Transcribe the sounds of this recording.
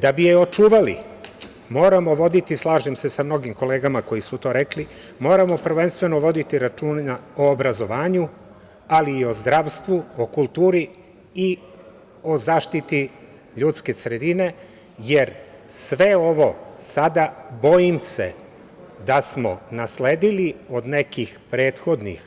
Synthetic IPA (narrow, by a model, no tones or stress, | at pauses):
d̪abijeo̞t͡ʃuːʋalḭ | mo̞ːɾamo̞ʋo̞d̪it̪islˠaːʒemse̞samno̞ɡimko̞le̞ːɡamako̞jisut̪o̞ːɾe̞kli | mo̞ːɾamo̞pr̩ʋe̞nst̪ʋe̞no̞ʋo̞d̪it̪iɾat͡ʃuːnaoːbɾazo̞ʋaːɲu | aliːo̞zd̪ɾaːʋst̪ʋuokulˠt̪uːɾi | i | o̞zaːʃt̪it̪i | ʎuːt̪ske̞sɾed̪ine̞ | je̞ɾsʋe̞o̞ʋo̞sad̪abo̞jimse̞̰ | d̪asmo̞̰nasleːd̪ilio̞d̪ne̞kixpɾe̞ːt̪xo̞d̪nḭx